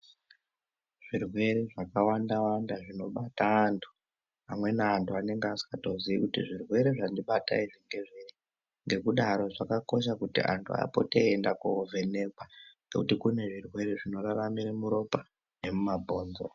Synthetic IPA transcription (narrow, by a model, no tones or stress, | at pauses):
ʐ̥irwe̞ɾeʐakawandawandaʐino̞ɓataːntʰu̥ | amwe̞naːntʰuane̞ŋɡeasi̥kato̞ziikutiʐirwe̞ɾeʐandiɓata̰iʐiŋɡe̞ʐere | ŋɡe̞kuɗaɾo̞ʐakako̞ʃ̬akutḭʔa̰ntʰua̰po̞̰teːndakuvʱene̞kwanɡekutikune̞ʐirwe̞ɾeʐino̞raramiɾemuɾo̞pa | ne̞mumabʱo̞ːnzo̰